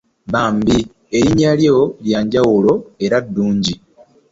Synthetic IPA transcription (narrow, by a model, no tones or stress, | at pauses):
βaːmbi | eɾiɲaljoljaːɲɟawolo̞e̞ɾadːuːɲɟi